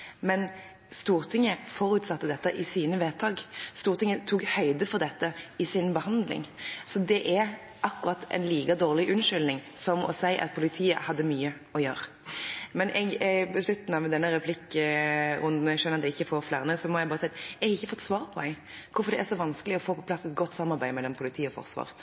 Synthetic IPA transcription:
mɛn | st̪uːʁt̪ʰɪŋːəfɔɾʉːt̪sɑt̪ːəd̪ɛt̪ːəʔɪsiːnəʋɛt̪ʰɑːɡst̪uːɾt̪ʰɪŋːət̪ʰuːkhœʏd̪əfɔʁd̪ɛt̪ːəɪsɪnbəhɑnd̪lɪ̰ŋsɔd̪ɛʔæɾ | ʔɑkːʊʁɑt̪ʰːɛ̰ɪnliːkɑd̪oːʁlɪʔʉnʂʏlnɪŋsɔmɔ̰sæɪʔɑ̰t̪̚pʰʊlɪt̪ʰiːə̰hɑd̪ːəmyːə | ɔjøːɾ | mɛnʔɛɡbəslʉt̪n̩ɑʋd̪ɛnːəɾɛpʰlɪkː | ɾʊnd̪n̩ɛɡʂœnəɾɑt̪ɛɪçːəfoːɾflæːʁnəsɔmɔjæɪbɑːɾəsɛɪt̪ɛɡhɑɪçːəfɔt̪ːsʋɑːʁpʰɔɛɡ | kʰʊfɔɾd̪ɛʔæɾʂɔʋɑnskəlɪɔfoːpʰɔpʰlɑsɛt̪ɡɔt̪ːsɑmːɑɾbæɪmɛlːɔmpʰʊlɪt̪ʰiːəɔfɔ̰ʁsʋɑ̰ːʁ

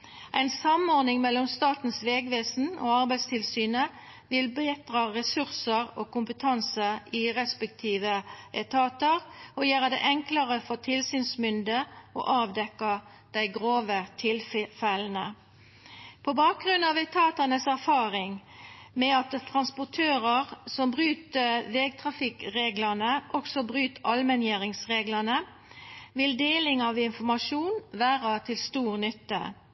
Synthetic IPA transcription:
ʔæɪnsɑmɔʁnɪŋmɛlːɔmst̪ɑːt̪n̩sʋeːɡʋeːsn̩o̰ːɑʁbæɪst̪ʰɪlsyːnə | ʋɪlbeːt̪ʁɑːʁɛsʉʁsəʁoːkʊmpət̪ʰɑnsəɪʁɛspəkt̪ʰiːʋəʔɛɪt̪ʰɑːt̪əʁojæːʁəd̪ɛʔɛŋkləʁəfɔt̪ʰɪlsyːnsmʏnd̪əʔo̰ːʔɑːʋd̪ɛkːɑ | d̪̥æɪɡʁoːʋət̪ʰɪlfɛln̩ə | pʰɔbɑːk̚ɡʁʉnɑʋɛt̪ʰɑːt̪ɑnəsæʁfɑːʁɪŋmɛɑt̪t̪ʰːʁɑnspʊʈ̪ʰøːʁəʁsɔmbʁyːt̪əʋeːɡ̚t̪ʰʁɑfɪkʁeːɡlənəʔɔksɔbʁyːt̪ɑlmənjæːɾɪŋsʁeːɡlənə | ʋɪld̪eːlɪŋɑʋɪnfɔmɑʂuːnʋæːʁɑt̪ʰɪlst̪uːʁnʏt̪ːə̰

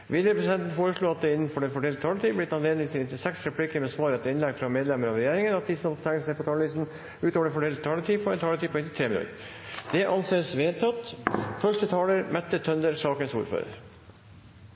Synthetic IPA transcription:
ʋiːd̪jəpʰɾɛsɪd̪ɛnt̪n̩foːɾəʂɭuːɑt̪̚d̪ɛɪnːn̩fɔɖɛnfɔɖɛlt̪ət̪ʰɑːləʈ̪iːblɪt̪ɑnleːd̪nɪŋt̪ʰɪlnɪt̪ːɪsɛksɾɛpʰlikəɾmɛsʋɑːɾɛt̪ːəɪnlɛɡfɾɑmeːd̪lɛmːəɾɑʋɾɛjeːɾɪŋənɑt̪̚d̪ɪsmɑpt̪æŋəsɛɪpɔt̪ʰɑːliːst̪n̩ | ʉːt̪oʋɖənfɔɖɛlt̪̚t̪ʰɑːlət̪ʰiːpʰɔɾɛnt̪ʰɑːləʈ̪iːpʰɔɪnt̪ːɪt̪ʰɾeːmɪlʉ̰ː | d̪̥ɛʔɑnseːsʋeːd̪t̪ʰɑt̪fœʂʈət̪ʰɑːləɾmɛt̪ːət̪ʰœnd̪əɾsɑːkənsṵːɾfø̰ːɾə̰ɾ

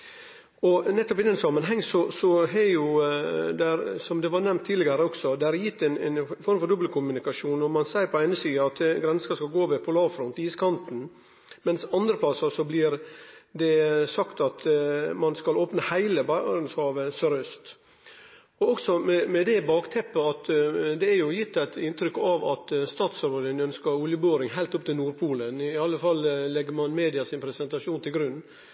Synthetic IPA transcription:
ɔnɛt̪ːɔpɪd̪ɛnsɑmːənɦɛŋːsɔsɔɦɛjʊd̪ɛɾsɔmd̪ɛʋɑɾnɛmt̪ʰːiːlɪɡəɾəɔɡ̥sɔd̪ɛæɾjɪt̪ːɛnɛnfɔɾmfɔɾd̪ʊbəlkʰʊmʉnɪkɑʂuːnɔmɑnsæɪəɾpɔæɪnəsiːdəɑt̪ɡɾɛnsɑskɑlɡoːʋɛpʰɔlɑːʋfɾɔnt̪iːskʰɑnt̪n̩ | mɛnsɑnd̪ɾəpʰlɑsːɑsɔblɪɾd̪ɛsɑkt̪ɑt̪mɑnskɑloːpnəhæɪləbɑnshɑːʋəsœɾœst̪ | ɔɔksɔmɛmɛd̪ɛbɑːkt̪ʰɛpːəɑt̪d̪ɛæɾjʊjɪt̪ːæɪt̪ɪnt̪ɾʏkːɑʋɑt̪st̪ɑːt̪sɾoːd̪ənœnskəɾʊljəbøːɾɪŋɦæɪlt̪ʊp̚t̪ɪlnuːɾpʰuːlənɪɑlːəfɑlːlɛɡəɾmɑnmeːd̪ɪɑsɪnpʰɾɛsɛnt̪ɑʂuːnt̪ʰɪlɡɾʉnː

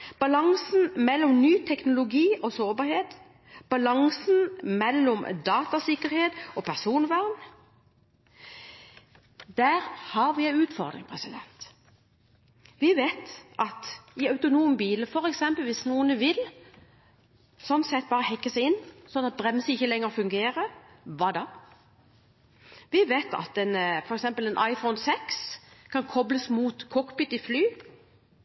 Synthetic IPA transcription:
b̥ɑlɑŋsn̩mɛlːɔmnyːt̪ʰɛknʊlʊɡiːʔɔsoːbɑɾheːt̪ | b̥ɑlɑŋsnmɛlːɔmd̪ɑːt̪ɑsɪkːəɾheːt̪ɔpʰæʁsuːnʋæʁn | d̪̥æːʁhɑɾʋɪæɪʉːt̪fɔ̰ʁd̪ʁɪ̰ŋpʰʁɛsɪd̪ɛ̰nt̪ | ʋɪʋeːt̪ʔɑt̪ɪœʉt̪ʊnuːmbiːləfɔɾɛksɛmpəlʋiːsnuːənəʋɪl | sɔnsɛt̪̚ːbɑːʁəhɛkːəsæɪɪnːsɔnːɑt̪̚bʁɛmsəɪçːəlɛŋːəʁfʉŋɡeːɾə | ʋɑd̪ɑ | ʋɪʋeːt̪ɑ̰t̪ɛnfɔɾɛksɛmpəlɛnʔɑɪfɔʊnsɛkskʰɑnkʰɔbləsmuːt̪kʰɔkbɪt̪ɪflyː

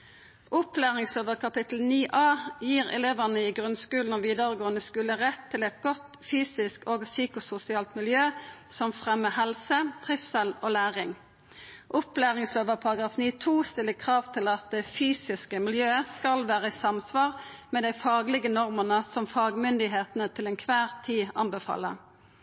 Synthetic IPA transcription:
ʔʊplæːʁɪŋsløːʋəʁkʰɑpɪt̪l̩niːʔɑːjiːʁɛ̰leːʋənəɪɡʁʉnskʉːln̩oːʋiːd̪əʁəɡoːənəskʉːləʁɛt̪ʰːɪlɛt̪ɡɔt̪ | fyːsɪskoːɡsyːkʊsʊsɪɑːlt̪mɪljøːsɔmfʁɛməhɛlsət̪ʰʁɪfsɛloːlæːʁɪŋ | ʔʊplæːʁɪŋsløːʋəpʰɑʁɑɡʁɑːfniːt̪ʰuːst̪ɪlːəkʰʁɑːʋt̪ʰɪlɑt̪̚d̪ɛfyːsɪskəmɪljøːəskɑlʋæːʁəɪsɑmsʋɑːʁmɛːd̪æɪfɑːɡlɪɡənɔʁmənəsɔmfɑːɡmʏnd̪ɪɦeːt̪nət̪ʰɪlɛnkʰʋæːʁt̪ʰiːɑnbəfɑ̰ːlːə̰

